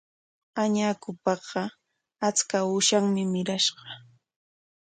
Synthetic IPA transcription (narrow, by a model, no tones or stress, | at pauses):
aɲaːkʊpɑɢɑ | at͡skaʊʃaŋmɪmɪɾaʃɢɑ̥